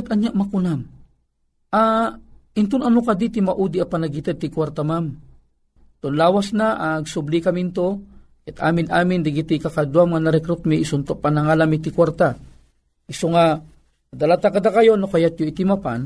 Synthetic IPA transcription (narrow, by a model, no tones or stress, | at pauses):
t̪ɐɲjaʔmɐkʊnam | ʔa | ɪnt̪onɐnokad̪it̪ɪmɐʔud̪iapɐnɐɡɪt̪ɛd̪̚t̪ɪkwaɾt̪amam | t̪onlaːwasnaʔaɡsʊblikɐmɪnt̪o | ɛt̪ʔa̰ːmɪnʔaːmɪnd̪ɪɡɪt̪ikakad̪uwamŋanɐɾɛkɾut̪miʔɪsont̪opanɐŋaːlamɪt̪ɪkwaɾt̪a | ʔɪsoŋa | d̪ɐlat̪akɐd̪akɐjo̞nokɐjat̪̚joɪt̪ɪmapan